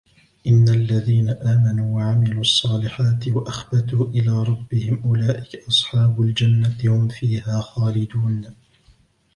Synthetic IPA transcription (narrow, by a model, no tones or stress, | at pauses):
ʔɪnːalːaðiːnaʔaːmanuːwaʕamɪluːʔɑsˤːɑːlɪħaːt̪waʔaxbat̪uːʔɪlaːɾˤɑbːɪhɪmʔʊlaːʔɪkaʔɑsˤħɑːbʊld͡ʒanːahʊmfiːhaːxaːlɪd̪uːn